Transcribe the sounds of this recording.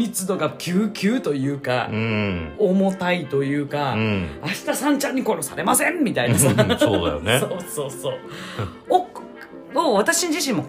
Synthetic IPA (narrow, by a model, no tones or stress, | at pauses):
mʲit͡sɨd̪o̞ɡakʲʰɨːkʲɨːt̪o̞jɯ̟ːka̰ | omo̞t̪ait̪o̞jɯ̟ːkaːɕi̥t̪asãɲ̟t͡ɕãɲ̟ːiko̞ɾo̞saɾe̞masẽ̞mmːʲit̪ainasasoːd̪ajoneoːso̞ːsoː | o | oβat̪aɕiɲd͡ʑiɕĩmːo̞